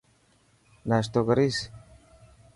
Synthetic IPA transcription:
nast̪oɡɾis

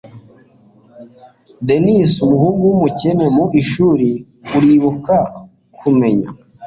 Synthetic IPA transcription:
denisumuhuɡumucenemuʔiʃuːɾi | uɾiβuka | kʰume̞ɲa̰

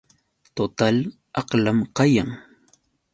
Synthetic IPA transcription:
t̪ot̪al | ɑqlamqɑjaŋ

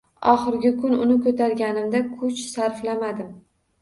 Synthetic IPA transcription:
ɒχɨɾɡʲɪkʊnʊnɪkʰɵt̪ʰaɾɡʲanɪmd̪akʰʊt͡ʃsaɾflamad̪ɪm

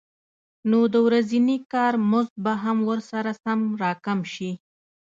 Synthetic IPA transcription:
nod̪əwɾazinikɑɾmʊzd̪̚baɦamwəɾsaɾasamɾɑkamʃi

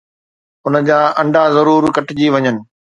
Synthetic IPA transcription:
ʊnə̆d͡ʑaːʔɐ̃ɳɖazɐɾuːɾkɐʈd͡ʑiʋɐɲənɪ̆

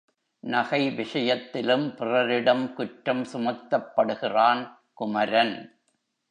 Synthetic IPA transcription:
nɐɣɐɪʋɪʂɐjɐt̪ːɪlɯmpɪrɐɾɪɽɐmkʊʈɾɐmsʊmɐt̪ːɐpːɐɽɯɣɪraːn | kʊmɐɾɐn

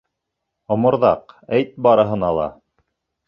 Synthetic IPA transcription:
ŏmŏɾðɑqæjt̪̚bɑɾɤ̆ɦɤ̆nɑlˠɑ̰

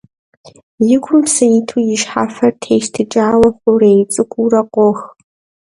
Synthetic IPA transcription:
jɪɡʷʰʼʊmsɐjitʰujɪʃħa̰ːfɐrtʰeːjʃtʰɨt͡ʃʼaːwɐχʷʊɾejt͡sʼɨkʷʼurɐqʷʼɔx

